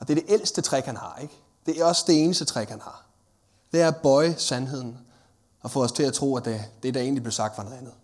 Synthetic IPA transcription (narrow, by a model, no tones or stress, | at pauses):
ʔɒ̽d̥e̝ɐɾe̝ʔel̰sd̥ət͡sʰʁɛɡ̥hænhɑ̈eɡ̥ | d̥e̝æɒ̽sd̥e̝e̝ːnəsd̥ət͡sʰʁɛɡ̥hænhɑ̈ | d̥e̝æɐb̥ɒ̽ɪəsænɦe̝ð̰ˠn̩ | ɒ̽fɔ̰̽ɒ̽st͡sʰe̝læt͡sʰʁo̝̰ːæd̥ed̥e̝ɾ̥ɑ̈e̝̰ːnlib̥le̝ʊsɑ̈ɡ̥d̥fɑnɔðˠænð̞̩ˠ